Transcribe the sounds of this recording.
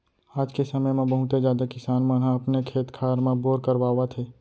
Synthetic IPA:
aːd͡ʒkesəməjmẽbəɦʊt̪ed͡ʒjaːd̪akɪsaːnmãnɦãɐpnekʰeːt̪kʰaːɾmãboːɾkəɾwaːwat̪ʰeː

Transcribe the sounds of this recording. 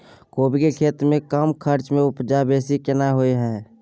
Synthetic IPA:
koːbʱikekʰeːt̪ɾmẽkəmkʰəɾt͡ʃmẽʊpd͡ʒabeːsikɪnaɦoeɦɛ̃ː

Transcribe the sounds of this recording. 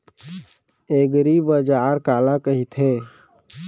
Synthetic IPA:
eːɡɾibəd͡ʒaːɾkaːlakəɦit̪ʰeː

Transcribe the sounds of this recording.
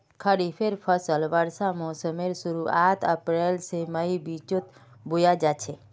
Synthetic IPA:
kʰəɽifʰeɾpʰəsəlʋəɾsamɔsəmeɾsuɾuat̪ʰəpɾelseməibit͡ʃot̪ | bujad͡ʒat͡ʃʰe

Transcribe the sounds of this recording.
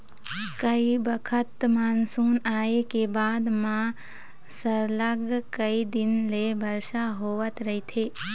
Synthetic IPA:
kəibəkʰət̪maːnsuːnaːekebaːd̪mã | səɾləɡkəid̪ɪnlebʱɐɾʃaɦoːʋət̪ɾɐit̪ʰeː

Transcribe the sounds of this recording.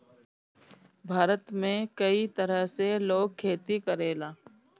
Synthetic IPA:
bʱaːɾət̪mẽkəit̪əɾəɦseloːɡ̚kʰːeːt̪ikəɾeːlaː

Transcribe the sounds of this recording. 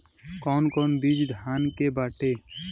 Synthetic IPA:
kɔːnkɔːnbiːd͡ʒd̪ʱaːnkebaːʈeː

